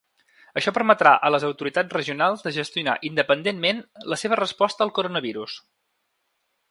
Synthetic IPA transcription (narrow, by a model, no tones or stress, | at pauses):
əʃɔpəɾmət̪ɾaʔələzəwt̪uɾit̪ad͡zrəʒiunalˠzd̪əʒəst̪iuna̰ʔind̪əpənd̪enmenləseβ̞ərəspɔst̪əːlˠkuɾonəβiɾus